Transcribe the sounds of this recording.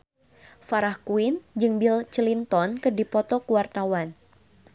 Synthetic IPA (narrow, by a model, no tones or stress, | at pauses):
faɾahkuind͡ʒɨŋbilt͡ʃəlint̪ɔnkərdipɔt̪ɔkuwart̪awan